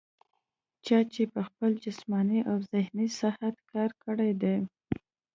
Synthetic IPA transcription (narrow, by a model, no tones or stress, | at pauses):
t͡ʃɑt͡ʃepəxpəld͡ʒasmɑniʔawzɪhnisɪhat̪kɑɾkəɽed̪e